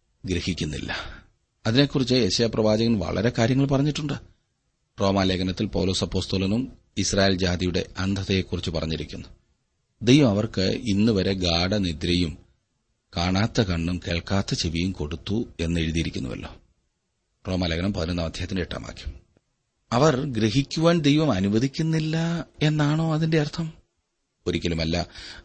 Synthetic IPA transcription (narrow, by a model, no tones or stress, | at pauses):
ɡɾehikʲːunːḭlːʔɐ̰ | ɐðine̞kːurit͡ɕːɨeɕɐjaprɐʋaːd͡ʑɐɣɐnʋɐ̰ɭɐ̰ɾe̞kaːɾjɐŋːɐɭpɐrɐɲːiʈːuɳɖɨ | ro̞ːmaːleːkɐnɐt̪ːilpɐwlo̞ːsɐpːo̞ːst̪olɐnum | israːjeːld͡ʑaːd̪ijuɽe̞̰ʔɐnd̪ʱɐðejekːurit͡ɕːɨpɐrɐ̰ɲːiɾikʲːunːu | d̪e̞jʋɐmɐʋɐrkɨinːuʋɐɾe̞ɡaːɽɐnid̪ɾɐjum | kaːɳaːt̪ːɐkɐɳɖumke̞ːɭkaːt̪ːɐt͡ɕeʋijumko̞ɽut̪ːue̞nːe̞ɻiðijiɾikʲːunːṵʋɐ̰lːo̞̰ː | ro̞ːmɐlɐɡɐnɐmpɐðinɐnːɐmɐd̪ʱjɦɐt̪ːineʈːa̰ːma̰ːkʲːu̥m | ɐʋɐrɡɾe̞ɦikʲːuʋaːnd̪e̞jʋɐmɐnuʋɐðikʲːunːilːɐe̞nːaːɳo̞ːɐðinde̞ɐrt̪ʰɐm | oɾikʲːɐlumɐlːɐ